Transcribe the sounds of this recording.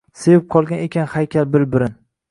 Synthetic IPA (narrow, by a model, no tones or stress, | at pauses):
se̞vɪp̚qʰɒlˠɡʲane̞kʲʰanhajkʲʰalbɪlbɪɾɪn